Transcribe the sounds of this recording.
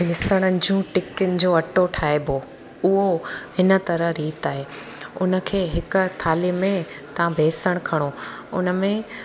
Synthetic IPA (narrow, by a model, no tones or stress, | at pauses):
mɪsəɽ̃ənɪ̆d͡ʑũːʈɪkʊnɪ̆d͡ʑoːɐʈoʈʰaːebʱo | ʊɦohɪnə̆t̪ɐɾəɦɾiːt̪aːɦeː | ʊnə̆kʰeːɦɪk̆t̪ʰaːlimẽt̪ɐʋãbʱeːsəɽ̃kʰɐɽ̃oʊ̰nə̆mẽ